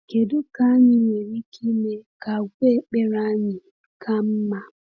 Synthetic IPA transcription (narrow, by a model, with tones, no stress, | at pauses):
ke˨du˦ka˦ɲɪ˦ɲe˨ɾi˦ki˦me˦ka˨ɡʷe˦k͡pe˦ɾa˦ɲɪ˨ | kʰa˦m̩˦ma˨